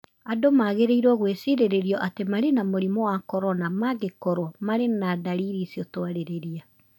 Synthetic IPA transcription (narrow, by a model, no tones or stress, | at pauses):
adomaɣeɾeiɾwɔɣwesiɾeɾeɾiɔʔatemaɾenamoɾimɔwakɔɾɔnamaɡekɔɾwɔmaɾenadaɾiɾisiɔtwaɾeɾeɾia